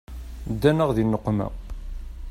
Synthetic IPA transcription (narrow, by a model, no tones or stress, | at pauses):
d̪ːænəʁðinːəqːmæ̰